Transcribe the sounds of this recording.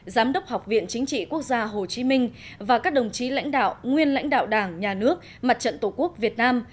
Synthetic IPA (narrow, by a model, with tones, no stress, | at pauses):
zaː˨˦mɗə˦˥wk͡p̚ha˨˩wk͡p̚vḭ˧˨ənt͡ɕï˨˦ŋ̟t͡ɕḭ˧˨ku˦˥ək̚zaː˧ɦo˨˩t͡ɕi˨˦mï˧ŋ̟vaː˨˩kaː˦˥k̚ɗə˨˩wŋ͡mt͡ɕi˨˦la̰˧˥jŋ̟ɗa̰ː˧˨wʔŋwi˧ənla̰˧˥jŋ̟ɗa̰ː˧˨wɗaː˧˩ŋɲaː˨˩nɨ˦˥ək̚ | ma˨˩t̚t͡ɕə̰˧˨nt̪o˧˩ku˦˥ək̚vi˨˩ət̚naː˧m